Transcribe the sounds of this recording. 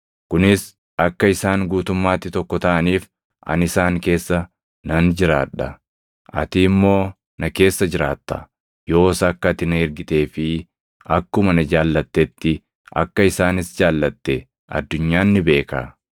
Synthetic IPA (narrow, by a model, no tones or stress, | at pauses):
kʊnɪs | ɐkːɐɪsaːŋɡuːt̪ʊmːaːt̪ːɪt̪ɔkːɔt̪ɐʔɐniːf | ʔɐ̰nɪsaːŋke̞ːsːɐ | nɐnd͡ʒɪɾaːᶑɐ | ʔɐ̰t̪iːmːo̞ː | nɐke̞ːsːɐd͡ʒɪɾaːt̪ːɐ | jo̞ːsɐkːɐt̪ɪnɐɛɾɡɪt̪e̞ːfɪ | ʔɐkːʊmɐnɐd͡ʒaːlːɐt̪ːɛt̪ːɪ | ʔɐ̰kːɐɪsaːnɪsd͡ʒaːlːɐt̪ːɛ | ʔɐ̰d̪ːʊɲːaːnːɪbe̞ːka̰ː